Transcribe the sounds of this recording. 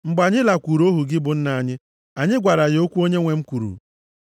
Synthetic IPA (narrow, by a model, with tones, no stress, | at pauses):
ŋ͡m̩˨ɡ͡ba˨ɲɪ˦la˨kʷu˨ɾo˦ɦu˨ɡɪ˦bʊ˨n̩˦na˨ɲɪ˦ | a˨ɲɪ˦ɡʷa˨ɾa˨ɣɪ˨o˦kʷu˦o˦ɲe˦ŋʷe˨ŋ͡m̩˦kʷu˨ɾṵ˨